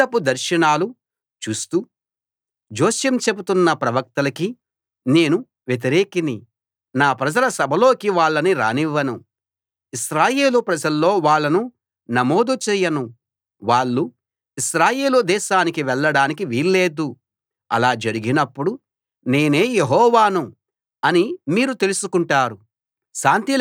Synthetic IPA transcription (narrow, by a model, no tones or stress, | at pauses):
ɐpːud̪ɐɾʃɐnaːlu | t͡ʃuːst̪u | d͡ʒoːʃjɐmt͡ʃe̞but̪unːɐpɾɐʋɐk̚t̪ɐlɐki | ne̞ːnu | ʋjet̪̬iɾe̞ːkini | naːpɾɐd͡ʒɐlɐsɐbʱɐlo̞ːkiʋaːɭːɐniɾa̰ːniʋːɐnu | iʃɾaːje̞ːlupɾɐd͡ʒɐlːo̞ːʋaːɭːɐnu | nɐmo̞ːd̪ut͡ʃɛːjɐnu | ʋaːɭːu | iʃɾaːje̞ːlud̪ɛːʃaːnikiʋɛɭːɐɽaːnik̬iʋiːlːeːd̪u | ɐ̰laːd͡ʒɐɾiɡinɐpːuɽu | ne̞ːne̞ːjeɦɔːʋaːnu | ɐnimiːɾut̪e̞lusukuɳʈaːɾu | ʃaːnt̪i